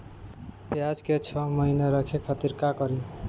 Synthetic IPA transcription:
pjad͡ʒket͡ʃʰʌməɦineɾʌkʰekʰʌt̪iɾkakʌɾi

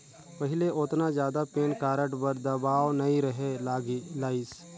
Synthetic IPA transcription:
pəɦɪleʔʊt̪nazjaːd̪apeːnkaːɾəʈbəɾd̪ɐbaːʋnɐĩɾɐɦeaɡlaːɪːs

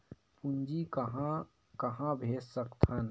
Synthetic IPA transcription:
pʊnd͡ʒikəɦã | kɐɦãbʱeːssəkt̪ʰɐn

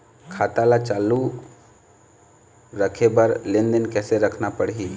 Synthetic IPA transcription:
kʰaːt̪alat͡ʃaːlu | ɾəkʰebəɾlẽnd̪ənkɛːseɾəkʰnapəɽɦiː

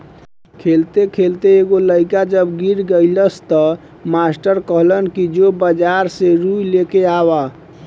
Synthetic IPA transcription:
kʰelt̪ekʰelt̪eːɡoləjkad͡ʒəbɡiɾɡələst̪ɔ | masʈəɾkəɦlənkid͡ʒobəd͡ʒaɾseɾuilekeaba

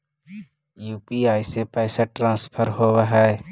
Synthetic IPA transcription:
juːpiaːisepɛːsaʈɾãːspʰəɾɦowaɦɛ

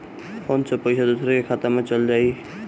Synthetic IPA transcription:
ɔnt͡ʃʰəpəsʰad̪osɾekekʰat̪amet͡ʃəld͡ʒaj

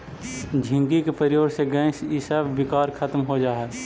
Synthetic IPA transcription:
d͡ʒʱɪ̃ŋɡikepəɾɪjoːɾseɡɛ̃ːʃisəbːɪkaːɾkʰət̪mɦod͡ʒaːɛː

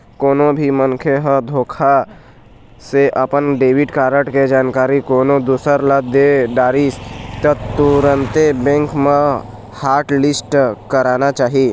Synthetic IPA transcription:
koːnõbʱimənkʰeɦəd̪ʱoːkʰa | seʔɐpənɖeːwɪʈkaːɾəʈked͡ʒaːnkaːɾikoːnõd̪uːsəɾləd̪eɖaːɾist̪ət̪uɾənt̪ebɛ̃ːŋkmẽ | haːɾʈlɪsʈkəɾaːnat͡ʃaːɦie

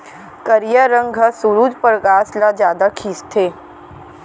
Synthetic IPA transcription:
kəɾjaɾə̃ŋɡʱasuɾuːd͡ʒpəɾɡaːslad͡ʒjaːd̪akʰiːst̪ʰeː

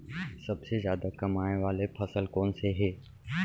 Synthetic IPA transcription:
sɐbsezjaːd̪akɐmaːnẽʋaːlepʰɐsəlkɔːnseɦeː

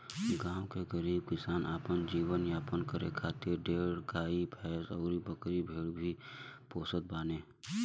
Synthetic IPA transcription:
ɡãːwkekəɾiːb̚kɪsaːnaːpənd͡ʒiːwənjaːpənkəɾekʰaːt̪ɪɾɖeːɽkaːipʰɛːsɔːɾibəkɾibʱeːɽbʱipoːsəd̪̚baːnẽː

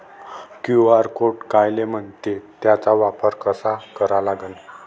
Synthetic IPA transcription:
kjuaɾkoʈkajlem̤əɳt̪et̪jat͡saʋapəɾkəsakəɾalaɡən

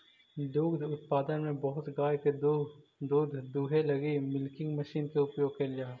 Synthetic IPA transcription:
d̪uːd̪ʱʊt̪̚paːd̪ənmẽbɐɦʊt̪ɡaːjked̪u | d̪uːd̪ʱd̪uːɦelɐɡimɪlkɪ̃ŋɡmɐʃiːnkeʊpjoːɡ̚kɐnd͡ʒaːɦ

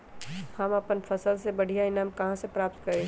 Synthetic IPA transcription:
hɐmɐpənfʰɐsəlsebɐɽ̤ijaɪnaːmkɐɦãsepɾaːp̚t̪kɐɾẽː

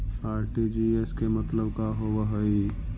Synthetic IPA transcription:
aːɾʈid͡ʒieskemət̪ləbkaɦowəɦəi

